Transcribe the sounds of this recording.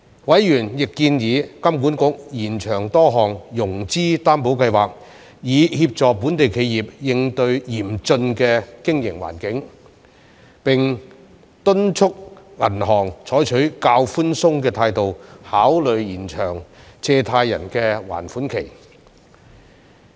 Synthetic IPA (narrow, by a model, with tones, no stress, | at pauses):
wɐ˨˥jjyː˨˩njɪ˨kːiː˧njiː˨˧kɐ˥mku˨˥nkʊ˨˥k̚jiː˨˩nt͡ʃʰœː˨˩ŋt̪ɔː˥ɦɔː˨˩ŋjʊ˨˩ŋt͡siː˥t̪aː˥npo˨˥wkɐ˧jwaː˨˩k̚ | jiː˨˧hiː˧p̚t͡sɔː˨kpuː˨˥nt̪e˨jkʰe˨˧jjiː˨p̚jɪ˧ŋt̪ɵ˧ɥjiː˨˩mt͡sɵ˧nkɛː˧kɪ˥ŋjɪ˨˩ŋwa̰ː˨˩nkɪ˨˥ŋ | pɪ˨˩ŋ | t̪ɵ˥nt͡ʃʰʊ˥k̚ŋɐ˨˩nɦɔː˨˩ŋt͡ʃʰɔː˨˥jt͡ʃʰɵ˨˥ɥkaː˧wfuː˥nsʊ˥ŋkɛː˧t̪ʰaː˧jt̪o˨whaː˨˥wlɵ˨ɥjiː˨˩nt͡ʃʰœː˨˩ŋt͡sɛː˧t̪ʰaː˧jːɐ̰˨˩nkɛː˧wa̰ː˨˩nfuː˨˥nkʰe˨˩j